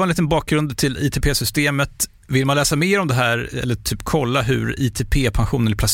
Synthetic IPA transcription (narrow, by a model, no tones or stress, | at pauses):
aɛnliːt̪ənbɑːk̚ɡɾɵnd̪t̪ʰɪlḭːt̪ʰepʰeːsʏst̪eːmət̪ | vɪlmanlɛːsameːɾɔmd̪ɛɦæːɾɛ̰lːəʈ̪ʰyːpkʰɔlːaɦɵ̰ɾit̪ʰepʰeːpʰanɧuːnənɪpʰlas